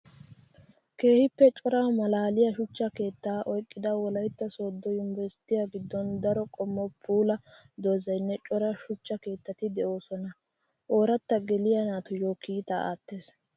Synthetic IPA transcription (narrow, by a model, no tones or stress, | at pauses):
ke̞ːhɪpːɛt͡ʃʼɔɾamɐlaːlɪjɐʃʊt͡ʃːɐke̞ːt̪ːaːʔɔjkʼːɪd̪ɐwɔlɐjt̪ːɐsoːd̪ːɔɪmbɛɾst̪ɪjaɡɪd̪ːɔnd̪ɐɾɔkʼɔmːɔpʰuːlɐ | d̪ozɐjnːɛt͡ʃʼɔɾɐʃʊt͡ʃːɐke̞ːt̪ːɐt̪ɪd̪ɛʔo̞ːsɔnɐ | ʔo̞ːɾɐt̪ːɐɡɛlɪjɐnaːt̪ʊjoːkiːt̪a̰ʔa̰ːt̪ːeːs